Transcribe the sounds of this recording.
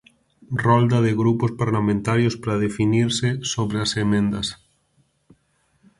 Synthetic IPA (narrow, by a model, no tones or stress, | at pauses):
rɔld̪aðɪɣɾupospaɾlamẽnt̪aɾjospɾaðefiniɾsɪsoβɾeasemẽnd̪ɐs